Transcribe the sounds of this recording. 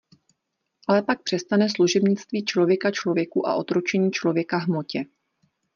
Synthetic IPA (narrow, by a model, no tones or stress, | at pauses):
ʔalɛpak̚pr̝̥ɛst̪anɛs̬luʒɛbɲɪt͡st̪viːt͡ʃlo̞vjɛkat͡ʃlovjɛkuʔa̰ʔo̞t̪ɾot͡ʃɛɲiːt͡ʃlo̞vjɛkaɦmo̞cɛ